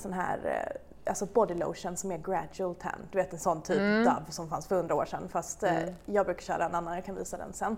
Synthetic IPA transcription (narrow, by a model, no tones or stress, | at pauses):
sɔnɦæ̰ːɾ | a̰lsɔbɔd̪ɪlṵːʂənsɔmɛɡɾæd͡ʒʉəlt̪ʰæ̰ɳd̪ɵveːt̪ɛnsɔnːt̪ʰyːpd̪a̰vːsɔmfansfœɾhɵnd̪ɾaoːʂɛnfast̪jɑːɡbɾʉ̟ːkḁɾɕœ̰ːɾʔaɛnanːanjɑːkʰanviːsad̪ɛ̰nsɛnː